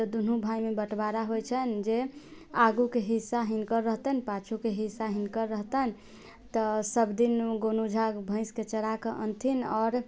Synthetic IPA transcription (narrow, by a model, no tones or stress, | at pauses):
t̪əd̪unũbʱajmebəʈbaɾaɦojt͡ʃʰənd͡ʒe | aɡukeɦisːaɦinkəɾːəɦt̪ənpat͡ʃʰukeɦisaɦinkəɾːəɦt̪ən | t̪əsəbd̪inɡonud͡ʒʱaɡbʱə̃ɪ̃sket͡ʃəɽakəʔə̰nt̪ʰinɔːɾ